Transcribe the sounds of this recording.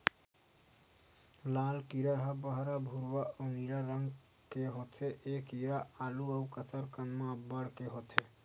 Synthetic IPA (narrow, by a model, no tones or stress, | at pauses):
laːlkiɾaɦəbəɦɾabʱuɾwaʔoniɾaɾəŋɡ | keɦot̪ʰeʔekiɾaaːluəukət͡ʃəɾkənmãbːəɽkeɦot̪ʰe